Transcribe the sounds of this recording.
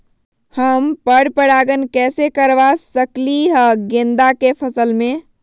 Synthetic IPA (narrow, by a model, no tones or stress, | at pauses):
həmpəɽpəɽaɡənkɛsekəɾʋasəkliɦəɡẽnd̪akepʰəsəlme